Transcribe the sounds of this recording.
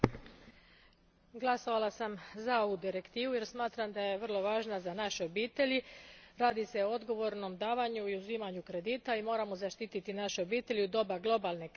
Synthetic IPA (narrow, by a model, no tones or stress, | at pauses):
ɡlˠaso̞ʋalˠasamzao̞ʋud̪iɾe̞kt̪iːʋuje̞ɾsmaːt̪ɾamd̪aje̞ʋər̩lˠo̞ʋaːʒnazanaʃeo̞biːt̪e̞ʎiɾaːd̪ise̞ood̪ɡo̞ʋo̞ɾno̞md̪aːʋaɲuiuzimaɲukɾe̞d̪iːt̪aimo̞ːɾamo̞zaʃt̪it̪it̪inaʃeo̞biːt̪e̞ʎiud̪o̞baɡlˠo̞balˠne̞k